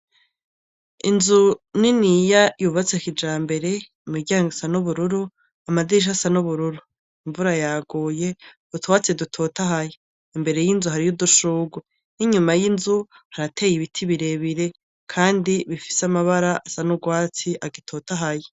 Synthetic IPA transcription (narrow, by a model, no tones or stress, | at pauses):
inzuninijajuβat͡sekid͡ʒaːmbe̞ɾe̞ | miɡɟaːŋɡisanuβuɾuɾu | amadiʃ̬asanuβuɾuɾu | iɱvuɾajaɡuːje̞̥ | utʰowat͡sedutʰotaɦaje | imbe̞ɾe̞jinzuɦaɾijuduʃuːɡwu | iɲumajinzu | haɾatʰe̞ːjiβitʰiβiɾe̞βiɾe̞ | kʰaːndiβifi̥samaβaɾaʔasanuɡwaːt͡siʔaɡitʰoːtaɦaje